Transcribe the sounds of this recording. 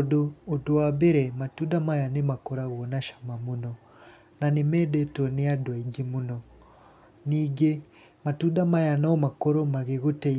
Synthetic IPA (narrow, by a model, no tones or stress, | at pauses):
doːdoabeɾɛmatudamajanemakɔɾaɣwɔnaʃḁmamunɔ | nanemɛdɛtɔneadwaiŋɡemunɔ | niːɡe | matudamajanaɔmakɔɾomaɣeɣotɛ